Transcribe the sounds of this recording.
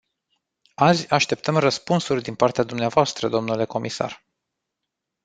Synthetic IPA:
azʲaʃt̪e̞p̚t̪əmrəspunsurʲd̪inpart̪ead̪umneavoast̪ɾəd̪o̞mnule̞ko̞misa̰r

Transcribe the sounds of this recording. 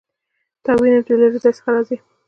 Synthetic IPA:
t̪ɑwineʈ̪eleɾzɑjsə̥xaɾɑzi

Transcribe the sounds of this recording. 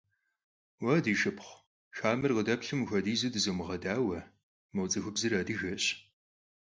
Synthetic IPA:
wɐdiːʃɨpχʷ | ʃaːmɨrqədɐpɬɨmxʷɐdiːzɨdɨzowmɨʁɐdaːwɐ | mɐwt͡sʼɐxʷʊbzɨraːdɨʒɐɕ

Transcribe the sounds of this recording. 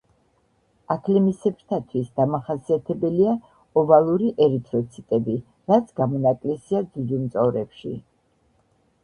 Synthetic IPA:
akʰlɛmisɛpʰɾt̪ʰat̪ʰwisd̪̥amaχasiat̪ʰɛbɛlia | ɔvalˠuɾiʔɛɾit̪ʰʼɾɔt̪sʰit̪ʼɛbi | ɾat̪sʰɡ̥amɔnakʼlɛsiad̪zud͡ʒimt̪sʼɔvɾɛpʃḭ

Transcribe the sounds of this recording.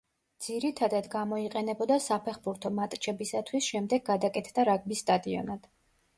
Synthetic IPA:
d̪z̥iɾit̪ʰad̪ad̪ɡamɔiqʼɛnɛbɔd̪asapʰɛχbuɾt̪ʰɔmat̪ʼt͡ʃʰɛbisat̪ʰwisʃɛmd̪ɛɡ̚ɡːad̪akʼɛt̪ʰd̪aɾaɡ̚bisːt̪ʼad̪iɔ̰nad̪̥

